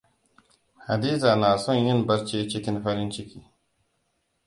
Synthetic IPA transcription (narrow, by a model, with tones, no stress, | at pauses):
ha˨d̪i˦za˨naː˨so˦nji˦nbɐ˦ɾt͡ʃe˦t͡ʃi˦ki˦nfɐ˦ɾi˦nt͡ʃi˦kʰi˨